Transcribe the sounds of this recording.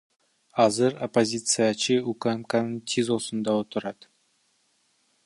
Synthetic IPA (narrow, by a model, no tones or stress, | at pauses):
ɑzəɾopozʲit̪sɨjat͡ʃəukamkanəɴt̪ʲʰezosənd̪ɑwot̪əɾɑd̪̥